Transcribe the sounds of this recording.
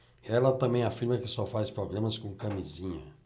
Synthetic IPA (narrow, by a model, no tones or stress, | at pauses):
ɛlɐt̪ɐ̃mbẽj̃afiɾmɐkɪsɔfajspɾoɡlẽmɐskõkɐmizĩɲɐ̰